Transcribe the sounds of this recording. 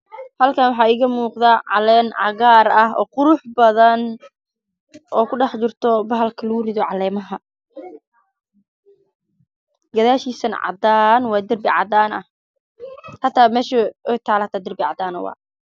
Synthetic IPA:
hɐlkʰaːnwɑħɑːɪɣɐmuːqðaːʕɑlɛːnʕɑɣaːɾɐhɔ̰ːqʊɾʊħbɐðɐn | ʔɔːkʰʊɖɑħt͡ʃɪrt̪ʰɔbɐɦɐlkʰɐlɐɣʊrɪðɔʕɑlɛːmɐɦɐ | ɡɐðaːʃiːsɐnʕɑ̰d̪aːnwɑːd̪ɐrbɪʕɑ̰d̪aːnɐh | hɐt̪ʰaːmɛːʃɐwɛjt̪ʰaːlɐt̪ʰaːd̪ɐrbɪʕɑ̰d̪aːnɔ̰wɑ̰ː

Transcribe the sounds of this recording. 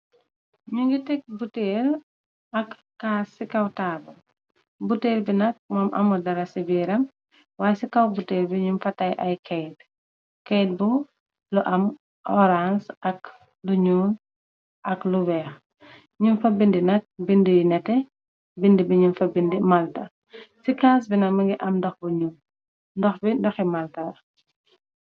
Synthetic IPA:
ɲuŋɡitɛk̚buteːl | ɐkːaːsikɐwtaːbu | buteːlbinɐk̚mɔːmʔɐ̰mɐdɐɾɐsibiːɾɐm | waːsikɐwbuteːlbiɲumfɐtɐjʔɐjkʰɛjt̚ | kɛjt̚bu | luʔɐm | ʔɔɾansʔɐk | luɲuːn | ʔɐkluwɛːx | ɲumfɐbindinɐk̚bindujnɛtɛ | bindibiɲumfɐbindimɐltɐ | sikaːs̬binɐkmɐŋɡiʔɐmndɔxbuɲu | ndɔxbindɔximɐltɐ

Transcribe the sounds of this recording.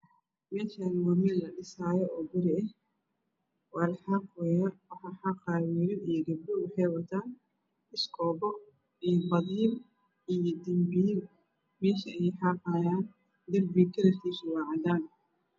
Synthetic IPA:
mɛːʃaːnwɔmɪlɐɖɪsaːjɔʔɔːbɪɾɪɐh | wɑːlħɑqwɛːjɐwɑħɑːħɑqɑːwiːɾɪnijɐɡɐbdʊwʊħɛjwɐt̪ʰaːn | ɪskʰɔːbɔ | ijɔbɐðiːm | ijɔd̪ɪmbiːl | mɛːʃɐɛjħɑːqaːjaːn | d̪ɐrbiːkʰɐɾɐt̪ʰiːswɑːʕɑd̪aːn

